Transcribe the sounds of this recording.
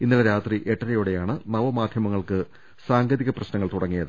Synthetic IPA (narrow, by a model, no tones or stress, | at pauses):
inːilɐɾaːt̪riʔeʈːɐɾɐjuɽe̞jaːɳɨnɐʋɐmaːd̪ʱjɐmɐŋːɐɭkɨ | saːŋɡɐðiɣɐprɐɕnɐŋːɐɭt̪uɽɐŋːijɐðɨ